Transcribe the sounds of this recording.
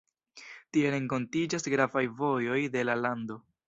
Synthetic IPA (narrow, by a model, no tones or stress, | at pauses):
tie̞ɾe̞ŋko̞ntid͡ʒasɡɾavajvo̞jo̞jde̞lalando̞